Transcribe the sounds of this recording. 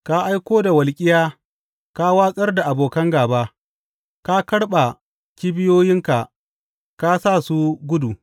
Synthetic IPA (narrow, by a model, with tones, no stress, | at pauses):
ka˦ʔa˦jkʷoː˦da˨wɐ˨lkʲʼɪ˦jaː˦ | ka˦waː˦sʼɐ˦rda˨ʔa˨boː˨kɐ˦ŋɡaː˨baː˦ | ka˦kɐ˦ɽɓa˨ | kʲi˦bɪ˦joː˦jɪ˦ŋka˨ | ka˦sa˦˨su˦ɡʷʊ˦du˨